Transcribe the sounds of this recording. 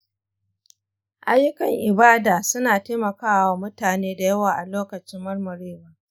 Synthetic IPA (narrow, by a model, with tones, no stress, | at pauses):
ʔa˦jːʊ˦kɐ˨ŋʔɪ˨baː˦daː˨sʊ˦naː˨teː˦mɐ˨kaː˦wwaː˨mʊ˦taː˨neː˦da˨jɐ˦waː˨ʔa˨loː˦kɐ˨t͡ʃɪ˦mːɐ˦rmɐ˨ɾeː˦waː˦